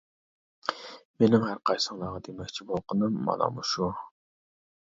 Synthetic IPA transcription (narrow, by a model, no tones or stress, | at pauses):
menɪmhæɾqʰɑjsəŋlˠɑʁɑd̪emɛkʲt͡ʃʰibolˠqənɨmːɑ̰lˠɑ̰muʃu